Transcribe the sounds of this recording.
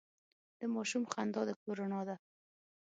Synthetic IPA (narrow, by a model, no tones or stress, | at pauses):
d̪̥əmɔʃumχand̪ɔd̪əkoɾonɑd̪a